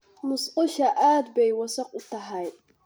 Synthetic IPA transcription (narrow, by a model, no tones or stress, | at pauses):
mʊsqʊʃɐʔaːd̪bɛjwɐsɐqʊt̪ɐɦɛj